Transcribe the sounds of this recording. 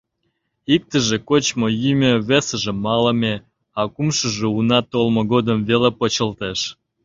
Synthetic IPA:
ik̚t̪ə̆ʒekot͡ɕmojymʲøβesə̆ʒĕmɑlə̆me | ɑkumʃəʒeunɑt̪olmoɣod̪əmvelepot͡ɕəlt̪eʃ

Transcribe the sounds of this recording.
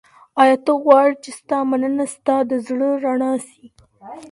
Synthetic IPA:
ɑjɑt̪əɣwɑɽt͡ʃest̪ɑmanənast̪ɑd̪əzɽəɾaɳɑsi

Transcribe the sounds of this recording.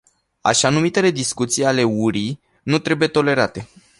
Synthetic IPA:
a̰ʃanumit̪e̞le̞d̪iskut̪sijale̞uɾi | nut̪ɾe̞buje̞t̪o̞le̞ɾat̪e̞

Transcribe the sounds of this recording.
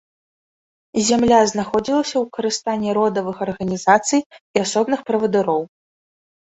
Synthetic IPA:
zʲamlʲaznaxɔd͡zʲilˠɐsʲɐwkɐɾɨst̪anʲːɛɾɔd̪ɐvɨxɐrɣɐnʲizat̪sɨjiasɔbnɨxpɾɐvɐd̪ɨɾɔw

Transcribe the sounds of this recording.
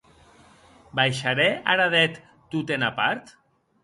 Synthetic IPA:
bajʃaɾɛaɾaðɛt̪ː | ut̪enapaɾt̪

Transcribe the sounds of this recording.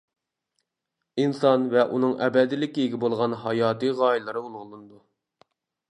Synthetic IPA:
insɑnvɛʔunɨŋʔɛbɛd̪ɪlɪkʲiiɡʲibolˠʁɑnɦɑjɑːt̪ɨʁɑːjilˠɨɾɨulˠʁlˠɨnɨd̪u

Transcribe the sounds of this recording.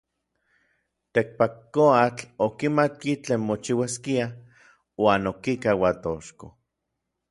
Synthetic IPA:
t̪ek̚pakːoat͡ɬokimat̪̚kit͡ɬeːnmot͡ʃiwaskia | waːnokikawat̪oʃko̰

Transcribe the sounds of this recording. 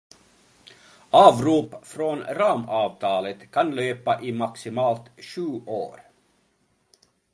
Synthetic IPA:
ɑːʋɾuːpfɾonɾɑːmɑːvt̪ʰɑːlət̪kʰanløːpaʔɪmaksɪmɑːlt̪ʃʉːʔo̰ːɾ

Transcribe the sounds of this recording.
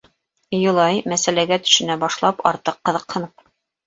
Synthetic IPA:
jŏlˠɑjmæsælæɡæt̪ɵ̥̆ʃɘ̆næbɑʃlˠɑpɑ̰ɾt̪ɤqːɤ̆ðɤqhɤ̆nɤp̚

